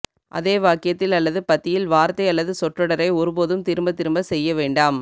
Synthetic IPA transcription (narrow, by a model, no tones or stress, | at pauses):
ʔɐ̰ðeːʋaːkɪjɐt̪ːɪlɐlːɐðɯpɐt̪ːɪjɪlʋaːɾt̪ːɐɪɐlːɐðɯsɔʈrɔɽɐɾɐɪɔɾɯp̬oːðɯmt̪ɪɾɯmbɐt̪ːɪɾɯmbɐsɛjːɐʋeːɳɖaːm